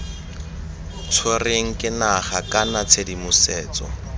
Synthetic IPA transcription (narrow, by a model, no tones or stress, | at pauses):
t͡sʰoreŋ̩kʼɪnaχakʼanat͡sʰedimʊsɛːt͡sɔ̰